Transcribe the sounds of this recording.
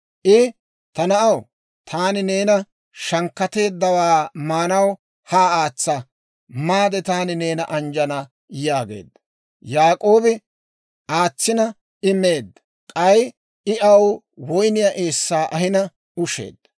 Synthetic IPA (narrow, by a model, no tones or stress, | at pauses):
ʔɪ | t̪ɐnɐʔɐw | t̪ʰaːnɪne̞ːnɐ | ʃɐŋkːɐt̪e̞ːd̪ːɐwaːmaːnɐw | haːaːt͡sːɐ | maːd̪ɛt̪aːnɪne̞ːnɐʔɐnd͡ʒɐnɐ | jaːɡḛːd̪ːɐ | jaːkʼo̞ːbɪ | ʔaːt͡sːɪnɐ | ɪmːe̞ːd̪ːɐ | kʼɐj | ɪʔɐw | wɔjnɪjɐʔe̞ːsːaːʔɐhɪnɐ | ʊʃḛːd̪ːɐ̥